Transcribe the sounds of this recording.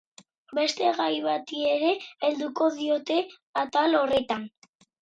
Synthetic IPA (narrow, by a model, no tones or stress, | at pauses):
be̞st̪e̞ɣajβat̪ieɾe̞ːld̪uko̞ðio̞t̪e̞ | at̪alo̞re̞t̪an